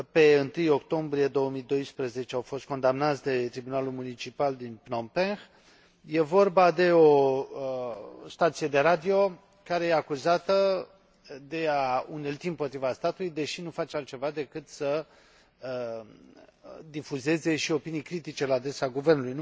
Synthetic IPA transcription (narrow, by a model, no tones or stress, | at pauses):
pe̞ɨnt̪ɨjo̞kt̪o̞mbɾije̞d̪o̞wəmid̪o̞jspɾəze̞t͡ʃeawfo̞st̪̚ko̞nd̪amnat̪sʲd̪e̞t̪ɾibunalulmunit͡ʃipald̪inpnompenx | je̞vo̞rbad̪e̞o | st̪at̪sije̞d̪e̞ɾad̪io̞ | kaɾe̞jeakuzat̪ə | d̪e̞aunelt̪iɨmpo̞t̪ɾivast̪at̪ulujd̪e̞ʃinufat͡ʃealt̪t͡ʃe̞vad̪e̞kɨt̪sə | d̪ifuze̞ze̞ʃio̞pinijkɾit̪it͡ʃe̞lead̪e̞saɡuve̞rnulujn